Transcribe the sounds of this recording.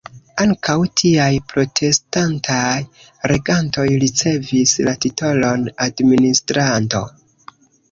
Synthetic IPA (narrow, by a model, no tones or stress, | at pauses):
aŋkʰawtʰiajpɾo̞tʰe̞stantʰaj | ɾe̞ɡanto̞jɾit͡se̞vislatito̞lo̞nadministɾanto̞̰